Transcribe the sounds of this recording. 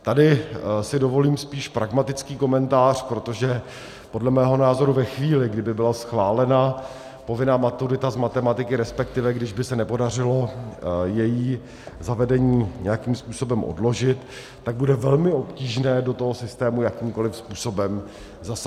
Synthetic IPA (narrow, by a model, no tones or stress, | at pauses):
t̪adɪsɪdovo̞liːmspiːʃpɾaɡmat̪ɪt͡skiːko̞mɛnt̪aːr̝̥pɾot̪o̞ʒɛ | podlɛmɛːɦo̞naːzo̞ɾuvɛxviːlɪɡdɪbɪbɪlasxvaːlɛna | po̞vɪnaːmat̪uɾɪt̪azmat̪ɛmat̪ɪkɪɾɛspɛk̚t̪ɪvɛɡdɪʒbɪsɛnɛpo̞darɪlo̞jɛjiː | zavɛdɛɲiːɲɛjakimspuːso̞bɛmʔo̰dlo̞ʒɪt̪ː | aɡ̚budɛvɛlmɪo̞pciːʒnɛːdo̞t̪o̞ɦosɪst̪ɛːmujakiːmko̞lɪfspuːso̞bɛm | zas